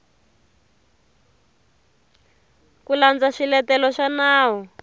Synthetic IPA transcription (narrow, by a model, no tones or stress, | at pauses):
kuland͡zaʂilɛtɛlɔʃanaːwɔ